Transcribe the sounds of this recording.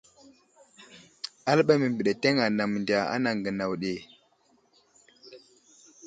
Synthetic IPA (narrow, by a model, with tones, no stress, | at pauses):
a˦lɓa˦jmə˨mbi˨ɗe˨te˦ŋa˨na˨m˨nda˨a̰˦na˨ŋɡə˨na˨wɗe˨